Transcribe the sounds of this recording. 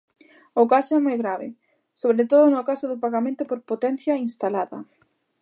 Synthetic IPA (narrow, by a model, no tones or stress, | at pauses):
ʊkasɛmojɣɾaβɪ̰ | soβɾet̪oðʊnʊkasʊðʊpaɣamẽnt̪ʊpoɾpot̪ɛn̟θjɐinst̪alaðɐ